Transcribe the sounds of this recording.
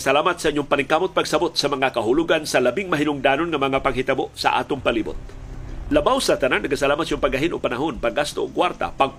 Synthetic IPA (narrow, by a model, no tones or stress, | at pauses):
salaːmat̪saʔɪɲʊŋpaniŋkamʊt̪̚paɡsabʊt̪sɐmɐŋakaɦʊluɡansalabɪŋmaɦɪnʊŋd̪aːnonŋamɐŋapaɡ̚ɦɪt̪aboʔsa̰ʔa̰t̪ʊŋpalibʊ̰t̪̚labawsat̪anaŋnɐɡasalaːmat̪̚sioŋpaɡaɦɪnʔoɡ̚panaɦʊnpaɡast̪ookwaɾt̪a̰paɡ